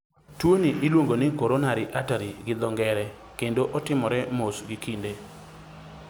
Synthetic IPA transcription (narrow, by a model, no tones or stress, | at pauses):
twoniʔilwoŋɡonɪkoɾonaɾɪʔataɾiɡɪd̪ɔŋɡɛɾɛ | kendoʔɔtɪmɔɾɛmosɡikʰinde